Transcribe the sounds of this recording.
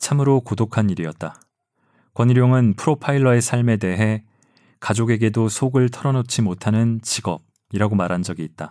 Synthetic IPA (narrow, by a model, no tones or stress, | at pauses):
t͡ɕʰamɯɾokodokʰaniɾiʌt̚t͈a | kwʌniɾjoŋɯnpʰɯɾopʰaiɭːʌe̞sʰaɭme̞de̞ɦe̞ | kad͡ʑoɡe̞ɡe̞dosʰoɡɯɭtʰʌɾʌnot͡ɕʰimotʰanɯnt͡ɕiɡʌb̚ | iɾaɡomaɾɦand͡ʑʌɡiːt̚t͈a